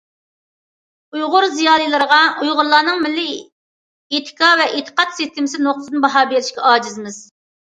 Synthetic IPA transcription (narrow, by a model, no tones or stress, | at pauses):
ujʁʊɾzijɑːlˠijlˠɨɾəʁɑujʁʊɾlˠɑːnɨŋmɪlːɪ | et̪ʰɪ̥kʰɑvɛʔet̪ʰə̥qɑt̪sɪst̪ʰɪmɪsɪnoχt̪ʰsɨnbɑɦɑːbeɾɪʃkʲɛɑːd͡ʒizmɪz̥